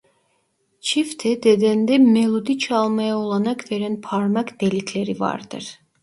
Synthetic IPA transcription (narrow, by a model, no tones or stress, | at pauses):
t͡ʃʰift̪ʰɛd̪ed̪ænd̪ɛmelˠud̪it͡ʃʰɑlˠmɑjaolˠɑnɑkʰveɾɛnpʰɑɾmɑkd̪elit̪ʰleɾivɑ̰ɾd̪ɯ̰ɾ